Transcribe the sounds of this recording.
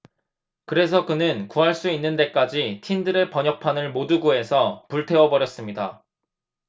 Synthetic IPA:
kɯɾe̞s̬ʰʌkɯnɯnkuɦaɭs͈uinːɯnde̞k͈ad͡ʑitʰindɯɾepʌɲʌk̚pʰanɯɭmoduɡue̞sʰʌpuɭtʰe̞ʌbʌɾjʌs͈ɯmɲida

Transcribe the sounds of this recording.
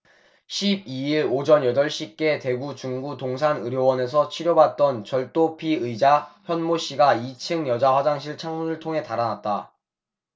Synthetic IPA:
ɕʰib̚iiɾod͡ʑʌnjʌdʌɭɕ͈ik͈e̞te̞ɡut͡ɕuŋɡutoŋs̬ʰanɯɾjowʌne̞s̬ʰʌt͡ɕʰiɾjobat̚t͈ʌnt͡ɕʌɭt͈opʰiɯjd͡ʑaçjʌnmoɕ͈iɡait͡ɕʰɯŋjʌd͡ʑaɸwad͡ʑaŋɕ̬ʰiɭt͡ɕʰaŋmunɯɭtʰoŋɦe̞taɾanat̚t͈a̰

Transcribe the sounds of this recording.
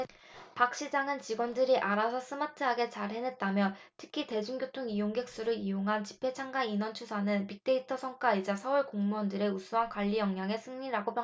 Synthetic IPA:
pak̚ɕ͈id͡ʑaŋɯnt͡ɕiɡwʌndɯɾiʔaɾasʰʌs͈ʰɯmatʰɯɦaɡe̞t͡ɕaɾhe̞net̚t͈amjʌntʰɯkʰite̞d͡ʑuŋɡjotʰoŋijoŋɡe̞k̚s͈uɾɯɭijoŋɦant͡ɕi̥pʰe̞t͡ɕʰaŋɡainʌnt͡ɕʰusʰanɯnpik̚t͈e̞itʰʌsʰʌŋk͈aid͡ʑasʰʌuɭkoŋmuʌndɯɾe̞usʰuɦankwaʎːijʌŋɲaŋe̞sʰɯŋɲiɾaɡopʰjʌ

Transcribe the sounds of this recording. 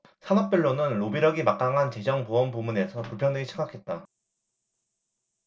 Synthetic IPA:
sʰanʌp̚p͈jʌɭːonɯnːobiɾʌɡimak͈aŋɦant͡ɕe̞d͡ʑʌŋpoʌnpumune̞sʰʌpuɭpʰjʌŋdweɡiɕʰi̥ŋɡakʰe̞t̚t͈a

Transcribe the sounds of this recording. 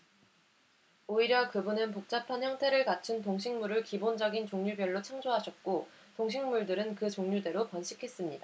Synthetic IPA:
oiɾjʌkɯbunɯnpok̚t͡ɕ͈apʰançjʌŋtʰe̞ɾɯɭkat͡ɕʰɯntoŋɕʰiŋmuɾɯɭkibond͡ʑʌɡint͡ɕoŋɲubjʌɭːot͡ɕʰaŋd͡ʑoɦaɕʰʌt̚k͈o | toŋɕʰiŋmuɭdɯɾɯnkɯt͡ɕoŋɲude̞ɾopʌnɕʰikʰe̞s͈ɯmɲid̥a

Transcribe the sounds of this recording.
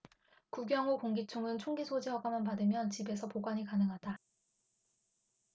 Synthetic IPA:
kuɡjʌŋokoŋɡit͡ɕʰoŋɯnt͡ɕʰoŋɡisʰod͡ʑiɦʌɡamanpadɯmjʌnt͡ɕibe̞sʰʌpoɡwaɲikanɯŋɦada

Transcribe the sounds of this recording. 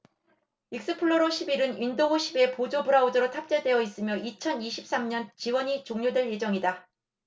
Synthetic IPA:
ik̚s͈ɯpʰɯɭːoɾoɕʰibiɾɯnindoɡoɕʰibe̞pod͡ʑobuɾaodɯɾotʰap̚t͡ɕ͈edwe̞ʌis͈ɯmjʌʔit͡ɕʰʌniɕʰi̥p̚s͈amɲʌnt͡ɕiwʌɲit͡ɕoŋɲodwe̞ɭje̞d͡ʑʌŋida

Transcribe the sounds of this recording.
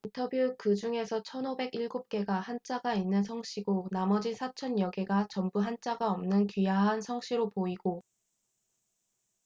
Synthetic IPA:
intʰʌbjukɯd͡ʑuŋe̞sʰʌt͡ɕʰʌnobe̞ɡiɭɡup̚k͈e̞ɡahant͡ɕ͈aɡainːɯnsʰʌŋɕ͈ʰiɡonamʌd͡ʑisʰat͡ɕʰʌnjʌɡeɡat͡ɕʌmbuɦant͡ɕ͈aɡaʌmnɯnkɥijaɦansʰʌŋɕ͈ʰiɾopoiɡ̥o

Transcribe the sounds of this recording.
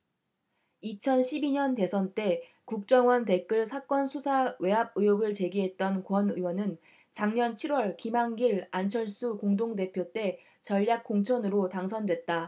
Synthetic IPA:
it͡ɕʰʌnɕʰibiɲʌnte̞sʰʌnt͈e̞ | kuk̚t͡ɕ͈ʌŋwʌnte̞k͈ɯɭsʰak͈ʌnsʰusʰawe̞ɦab̚ɯjoɡɯɭt͡ɕe̞ɡiɦe̞t̚t͈ʌnkwʌnɯwʌnɯn | t͡ɕaŋɲʌnt͡ɕʰiɾwʌɭkimaŋɡiɾant͡ɕʰʌɭs͈ukoŋdoŋde̞pʰjot͈e̞ | t͡ɕʌʎːak̚k͈oŋt͡ɕʰʌnɯɾotaŋsʰʌndwe̞t̚t͈a

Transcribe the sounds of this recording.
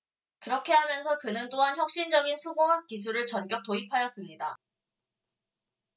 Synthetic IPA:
kɯɾʌkʰe̞ɦamjʌns̬ʰʌkɯnɯnt͈oɦançjʌk̚ɕ͈ind͡ʑʌɡinsʰuɡoɦak̚k͈is̬ʰuɾɯɭt͡ɕʌnkjʌk̚t͈oipʰajʌs͈ɯmɲida

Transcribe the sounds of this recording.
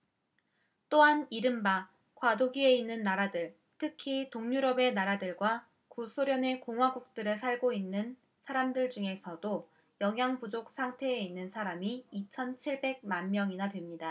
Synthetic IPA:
t͈oɦaniɾɯmba | kwadoɡie̞inːɯnːaɾadɯɭ | tʰɯkʰitoŋɲuɾʌbe̞naɾadɯɭɡwa | kusʰoɾjʌne̞koŋɦwaɡuk̚t͈ɯɾɯɭsʰaɭɡoinːɯn | sʰaɾamdɯɭd͡ʑuŋe̞sʰʌdo | jʌŋɦjaŋbud͡ʑok̚s͈ʰaŋtʰe̞einːɯnsʰaɾamiːt͡ɕʰʌnt͡ɕʰiɭbe̞ɡ̚manmjʌŋinadwe̞mɲida

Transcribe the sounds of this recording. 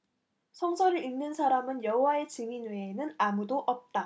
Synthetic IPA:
sʰʌŋsʰʌɾɯɭinːɯnsʰaɾamɯnjʌɦowae̞t͡ɕɯŋinweːnɯnamudoʔʌp̚t͈a

